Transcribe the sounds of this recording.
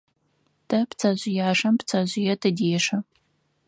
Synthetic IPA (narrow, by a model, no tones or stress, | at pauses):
d̥ʰɐpt͡sʰɐʑʷɪjaːʂɐmpt͡sʰɐʑʷɪjɛtʰɨdeːʂɐ